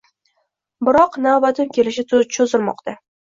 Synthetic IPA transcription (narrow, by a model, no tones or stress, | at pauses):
bɪɾɒqnawbat̪ʰɪmkʲe̞lɪʃɪt͡ʃʰozɪɾmɒ̰qt̪ʰa